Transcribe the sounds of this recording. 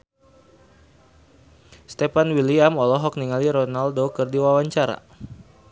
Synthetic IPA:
st̪ɛpanwiliamɔlɔɦɔk̚niŋaliɾɔnaldokɨrdiwawaɲt͡ʃaɾa̰

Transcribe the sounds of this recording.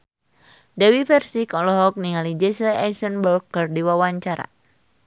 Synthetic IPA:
dɛwifɛrsikɔlɔɦɔk̚niŋalid͡ʒɛslaɛsɔnbɔrɡərdiwawaɲt͡ʃaɾa̰

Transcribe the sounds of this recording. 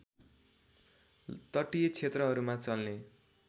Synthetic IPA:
t̪ʌʈijet͡sʰet̪rʌɦʌɾumat͡sʌlne

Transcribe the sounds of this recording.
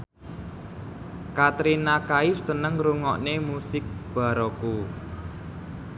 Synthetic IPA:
kat̪ɾinakaɪfsənəŋɾuŋɔʔnemusɪk̚b̥a̤ɾɔku

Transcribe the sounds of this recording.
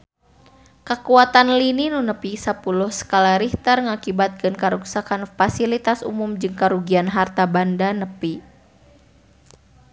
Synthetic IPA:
kəkuat̪anlininunəpisapulʊhsə̥kalaɾiht̪ərŋakibat̪̚kɨnkaɾuksakanfasilit̪asṵmumd͡ʒɨŋkaɾuɡianɦart̪abandanəpi

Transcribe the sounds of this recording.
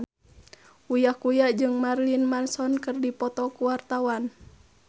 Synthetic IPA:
ujahkujaʔd͡ʒɨŋmarlinmansɔnkɨrdipɔt̪ɔkuwart̪awan

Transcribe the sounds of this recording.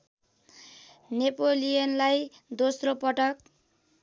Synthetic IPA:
nepolijʌnlaj | d̪osropʌʈʌk̚

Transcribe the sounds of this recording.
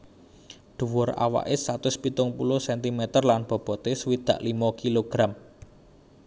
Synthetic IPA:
d̪̥ṳwʊra̰wa̰ʔesat̪ʊspit̪ʊŋpulʊhsɛnt̪imɛt̪ərlanb̥ɔ̤b̥ɔ̤t̪eswid̪̥ä̤ʔlimɔkiloɡ̥ɾam

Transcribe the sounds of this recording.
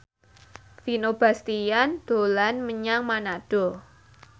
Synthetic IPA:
finob̥a̤st̪ijand̪̥olanməɲaŋmanaɖ̥ɔ̤

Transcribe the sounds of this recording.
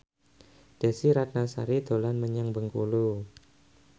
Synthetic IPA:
d̥asiɾat̪̚nasa̰ɾid̪o̤lanməɲaŋbəŋkulu

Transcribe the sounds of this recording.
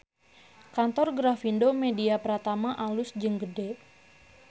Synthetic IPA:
kant̪ɔrɡɾafindomediapəɾat̪amaʔalʊsd͡ʒɨŋɡəde

